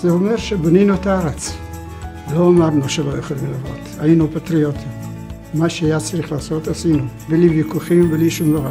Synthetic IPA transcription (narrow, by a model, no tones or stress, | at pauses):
zeomeʁʃeboninuetaaɾet͡s | loamaʁnuʃelojoχelimlavo̰t̪ainupat̪ɾiot̪ʰim | maʃeajat͡saɾiχlaːso̞t̪asinubelivikuχimbeliʃumloa